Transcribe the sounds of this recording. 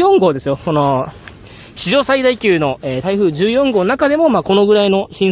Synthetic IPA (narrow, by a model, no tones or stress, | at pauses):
õ̞ŋɡo̞ːd̪e̞sɨjoko̞no̞ | ɕiʑo̞ːsaid̪aikʲɨːno̞ʔeːt̪aiɸɯ̟ːʑɨːjõ̞ŋɡoːnonakad̪e̞mo̞maːko̞no̞ɡɯ̟ɾaino̞ɕĩ